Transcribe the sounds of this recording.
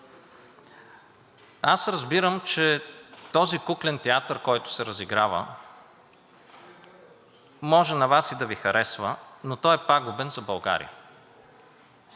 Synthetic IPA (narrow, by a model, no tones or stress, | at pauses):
asɾɐzbiɾəmt͡ʃɛt̪ɔzikuklɛnt̪ɛat̪əɾkɔjt̪ʊ̥sɛɾəziɡɾavə̰ | mɔʒɛnɐvasid̪ɐvixɐɾʔɛsvənot̪ɔɛpaɡʊbɛnzɐbɐlˠɡa̰ɾḭə